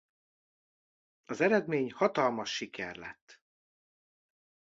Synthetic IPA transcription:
ɒzɛɾɛd̪meːɲhɒt̪ɒlmɒʃːikɛrlɛ̰t̪ː

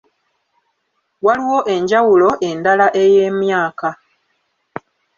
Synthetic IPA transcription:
waliwo̞ʔe̞ɲɟawulo̞ʔe̞ndalaʔe̞je̞ːmjaːka

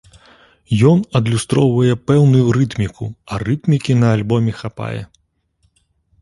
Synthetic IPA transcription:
jɔnɐd̪lʲust̪ɾɔwvɐjɛpɛwnʊjuɾɨt̪mʲikuɐrɨt̪mʲikʲinɐːlʲbɔmʲɛxapa̰jɛ̰

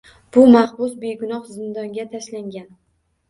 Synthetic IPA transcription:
b̥ʊmaχbʊsbe̞ɡʊnɒχzɪnd̪ɒŋɡʲat̪ʰaʃlaŋɡʲan

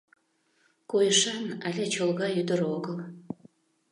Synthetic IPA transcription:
kojəʃɑnælʲet͡ɕolɣɑjyd̪əɾoɣəl

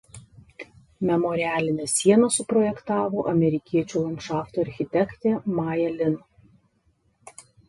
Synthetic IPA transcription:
mʲɛmɔɾʲɪæːlʲɪnʲeːsʲiɛnɐsʊpɾɔjɛkt̪ɑːʋoːʔɐmʲɛɾʲɪkʲiɛt͡ʃʲuːlˠɐnkʃɑːft̪oɐɾʲxʲɪt̪ʲɛkt̪ʲeːmɑːjɛlʲɪn

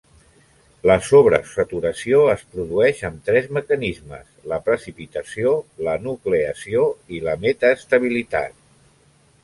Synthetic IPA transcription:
ləsoβ̞ɾə̰sət̪uɾəsioəspɾuðuɛʃəmt̪ɾɛzməkənizmə̰sləpɾəsipit̪əsiolənukleəsioiləmɛt̪əːst̪əβ̞ilit̪a̰t̪̚

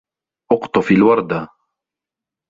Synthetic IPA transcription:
ʔʊqt̪ˤʊfiːlwɑɾˤd̪a

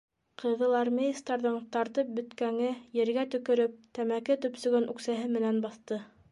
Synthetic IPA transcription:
qʰɤ̆ðɤlˠɑrmʲejist̪ɑɾðɤɴt̪ɑɾt̪ɤp̚bɵ̆t̪kæŋɘjɘ̆ɾɡæt̪ɵ̆kɵ̆ɾɵp̚t̪æmækɘt̪ɵ̆psɵ̆ɡɵnʔʉ̰ksæɦɘmɘ̆nænbɑθt̪ɤ

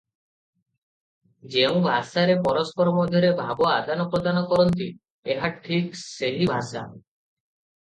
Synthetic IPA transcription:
d͡ʒeũbʱasaɾepɔɾɔspɔɾɔmɔd̪ʱjɔɾebʱabɔad̪anɔpɾod̪anɔkɔɾɔnt̪i | eɦaʈʰikseɦibʱasa̰

